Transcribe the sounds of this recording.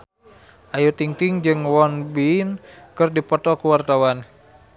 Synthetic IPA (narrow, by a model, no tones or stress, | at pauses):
ʔajut̪iŋt̪iŋd͡ʒɨŋwɔnbinkɨrdipɔt̪ɔkuwart̪awan